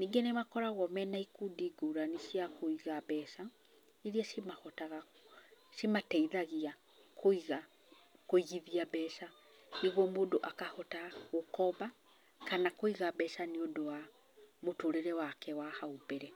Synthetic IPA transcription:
niːŋɡenemakɔɾaɣɔmɛnaikudiɡuɾaniʃiakoiɣaβɛːʃa | eɾiaʃimahɔtaɣa | ʃimatɛiðaɣia | kʰoiɣa | koiɣiðiaβɛːʃa | niɣwɔmoːdoʔakahɔtaɣokɔba | kanakoiɣabɛʃaniodowa | motoɾeɾɛwakɛwahaubɛɾɛ

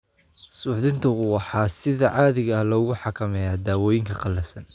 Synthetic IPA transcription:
sʊːħðɪnt̪ʰɐʊwɑħɑːsɪðɐʕɑːðɪɣɐɐhlɔːɣʊħɑkʰɐmɛjaːd̪aːwɔːjɪŋkʰɐqɑlːɐfsɐn

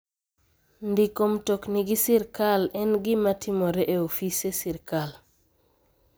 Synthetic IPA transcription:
ndikomtokniɡɪsiɾkalɛnɡɪmatʰimoɾɛʔeofisesiɾkal

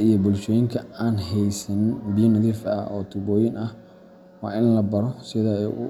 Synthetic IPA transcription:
ijɔbʊlʃɔːjɪŋkʰɐaːnɦɛjsɐnbijɐnɐðiːfɐ̰ɔ̰ːt̪ʰʊbɔːjɪnʔɐh | wɑ̰ːʔɪnlɐbɐɾɔsɪðɐɛjʔʊ̰

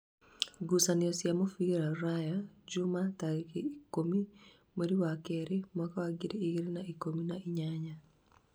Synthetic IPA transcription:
ɡusanɪɔsjamɔfiɾaɾajad͡ʒʊmataɾikeikomi | meɾiwakɛɾemɔkawaɡiɾiːɡɾinaikominaiɲaɲa

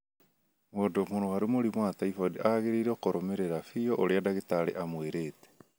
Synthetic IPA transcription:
mwodomonowaɾumoɾimwataifɔdeʔaɣeɾiɾɛokoɾɔmeɾeɾafiɔʔoɾeadaɣetaɾḛʔamweɾetɛ̥

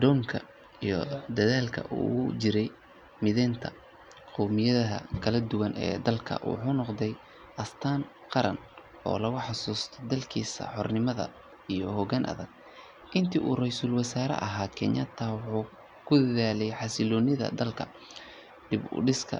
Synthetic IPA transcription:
d̪ɔːŋkʰɐ | ijɞd̪ɐðaːlkʰɐ̰ʔuːt͡ʃɪɾɛj | mɪðɛːnt̪ʰɐ | qɔmɪjɐðɐɦɐ̰kʰɐlɐd̪ʊwɐnʔɛ̰ːd̪ɐlkʰɐ̰wʊ̰ħʊːnɔqðɛj | ʔɐst̪ʰaːn | qɑɾɐn | ʔɔ̰ːlɐɣʊħɑsuːst̪ʰɛd̪ɐlkʰiːsɐ̰ħɔrnɪmɐðɐ̰ | ijɔhɔɣaːnʔɐ̰ðɐɡ̚ | ʔɪnt̪ʰiːʔuːrɛjsʊlwɐsaːɾɛ̰ʔɐɦaːkʰɛnjɐt̪ʰawħuː | kʰʊd̪ɐðaːlɛjħɑsɪlɔːnɪðɐ̰d̪ɐlkʰɐ̰ | ɖ̪̥ɪbʊ̰ɖɪskʰɐ̰

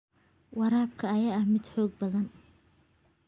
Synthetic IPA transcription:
wɑɾaːb̚kʰɐːjɐɐhmɪd̪ħɔːɡ̚bɐðɐn

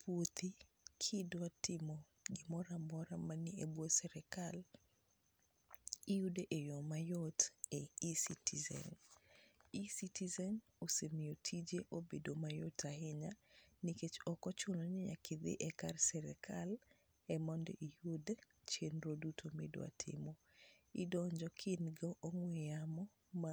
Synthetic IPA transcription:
pwot̪i | kʰɪdwatɪmɔ | ɡɪmɔɾamɔɾamaniebosɛɾɛkal | ijudeʔejomajɔteisitizɛ̰n | isitizɛn | osemijotʰid͡ʒeʔobedomajotʰahɪɲaniket͡ʃɔkɔt͡ʃonoɲeɲa̰kʰɪd̪ɪ̰ʔɛkarsɛɾɛkʰal | ɛmɔndḛʔihud | t͡ʃenɾodutʰomedo̰a̰tʰɪ̰mo | idɔɲd͡ʒɔkʰɪnɡɔʔːŋweamɔ | ma

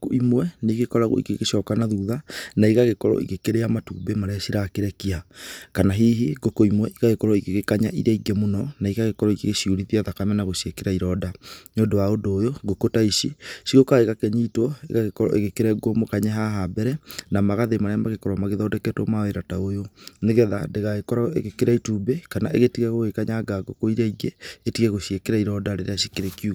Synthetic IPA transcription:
koimwɛneɣekɔɾaɣo̰ḭɣeɣeɕɔkanaðuðanaiɣaɣekɔɾɔ̰ʔḭɣekeɾejamatṵːbemaɾeasiɾakeɾɛkiakanaɦiːɦiɡokoimwɛʔiɣaɣekɔɾɔiɣeɣekaɲaʔiɾaiɡɛmonɔnaiɣaɣekɔɾɔiɣeɣeʃiuɾiðiaðakamɛnaɣoɕekeɾaiɾɔdaɲoːndowaondoːjoɣokotaiʃisiɣokaɣeɣakɛɲitwɔḛɣaɣekɔɾɔ̰ʔḛɣekeɾɛɡomokaɲɛɦaɦabɛɾɛnamaɣaðemaɾamaɣekɔɾamaɣeðɔːdɛkɛtwɔmaeɾataojoneɣɛðadeɣaɣekɔɾɔḛɣekeɾaitubekanaʔeɣetiɣɛɣoɣekaɲaɡaɡokoiɾaiɡɛetiɣɛɣoɕiekeɾaiɾɔdaɾeɾeaɕikeɾekju

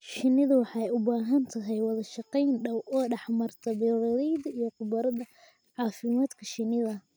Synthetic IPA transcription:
ʃɪnɪðɐwɑħɑjʊbaːɦɐnt̪ʰɐɦɛjwɑðɐʃɑqɛjnɖɐwʔɔːɖɑħmɐrt̪ʰɐbɪlɔlɛjðɐijɔqʊbɐɾɐðɐ | ʕɑːfɪmaːd̪kʰɐʃɪnɪðɐ

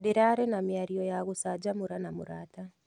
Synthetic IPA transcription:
deɾaɾɛnamiaɾiɔjaɣosad͡ʒamuɾanamuɾaːta

